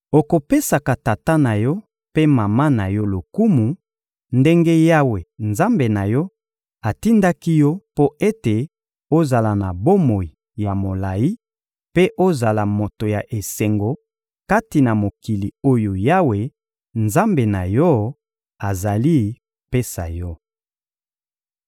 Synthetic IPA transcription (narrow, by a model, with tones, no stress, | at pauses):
o˨ko˨pe˦sa˨ka˨ta˨ta˦na˨jɔ˦ | pe˦ma˨ma˦na˨jɔ˦lo˨ku˦mu˨ | nde˦ŋɡe˦ja˦we˨nza˦mbe˨na˨jɔ˦ | a˨ti˦nda˦ki˦jɔ˦po˦e˦te˨ | o˦za˨la˨na˨bo˦mo˨i˨ | ja˨mo˨la˨ji˦ | pe˦ʔo˦za˨la˨mo˨to˨ja˨ʔe˨se˨ŋɡo˨ | ka˦ti˨na˨mo˨ki˨li˨o˦jo˨ja˦we˨ | nza˦mbe˨na˨jɔ˦ | a˨za˨li˦˨ | pe˦sa̰˨jɔ˦